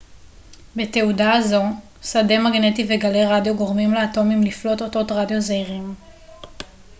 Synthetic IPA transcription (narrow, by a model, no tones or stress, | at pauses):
be̞te̞udaːzo̞ | sade̞maɡne̞tive̞ɡale̞ʁadjo̞ɡo̞ʁmimleato̞mimliflo̞toto̞tʁadjo̞zeiʁim